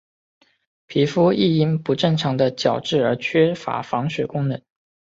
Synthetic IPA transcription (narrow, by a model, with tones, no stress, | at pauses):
pʰi˧˥fu˥i˥˩i˥˩npu˧˥ʈ͡ʂɤ˥˩ŋʈ͡ʂʰɑ˧˥ŋd̪ə˧t͡ɕjɑ˨˩ʊʈ͡ʂɻ̩˥˩ə˞˧˥t͡ɕʰɥɛ˥fa̰˧˥fɑ˧˥ŋɕɥɛ˨˩kʊ˥ŋnə˧˥˦ŋ